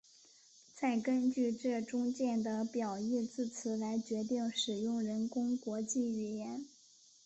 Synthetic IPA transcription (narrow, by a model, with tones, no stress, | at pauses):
t͡sa˥˩ɪkə˥nt͡ɕy˥˧ʈ͡ʂɤ˥˩ʈ͡ʂʊ˥ŋt͡ɕjɛ˥˩nd̪ə˩pjɑ˨˩ʊi˥˧t͡sɹ̩˥˩t͡sʰɹ̩˧˥la˧˥ɪt͡ɕɥɛ˧˥t̪̬i˥˩ŋʂɻ̩˨˩jʊ˥˩ŋɻə˧˥nkʊ˥ŋkwɔ˧˥t͡ɕi˥˩y˨˩jɛ˧˥n